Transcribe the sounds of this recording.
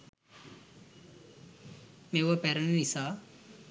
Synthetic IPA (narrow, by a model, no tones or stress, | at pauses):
meʋəpæɾənenisaː